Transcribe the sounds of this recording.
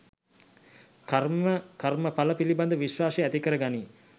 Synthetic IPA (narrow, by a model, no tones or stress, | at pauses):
karəkarməpaləpiliband̪əʋiʃwaːseæt̪ikəɾəɡani